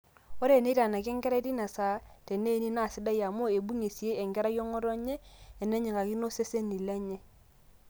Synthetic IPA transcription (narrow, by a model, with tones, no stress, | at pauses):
o˦ɾe˦˨ne˦ɾa˨na˨k̬ɛ˦ŋɡɛ˦ɾa˦ti˦na˨sa˦te˨ne˦ni˦na˦˨sɪ˦da˦ja˨mo˦e˨bu˦ɲe˨si˨e˦e˨ŋɡɛ˦ɾa˦jo˦ŋɔ˦ɾɔ˦ɲeː˦˨nɛ˦ɲe˨ka˨ki˦no˦se˦se˦ni˨le˦ɲɛ˦